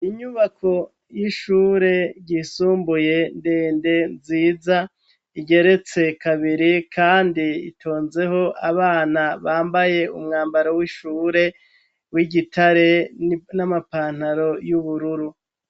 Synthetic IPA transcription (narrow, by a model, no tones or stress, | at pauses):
iɲuβakʰo̞ | jiʃuːɾe̞ɟisuːmbuje̞ndeːnde̞nziːza | iɡe̞ɾe̞t͡se̞kʰaβiɾikʰaːndiḭtʰo̞ːnze̞ho̞ʔaβaːnaβaːmbaje̞ṵmŋaːmbaɾowiʃuːɾe̞ | wiɟitʰaɾe̞namapaːn̥haɾo̞juβuɾuɾu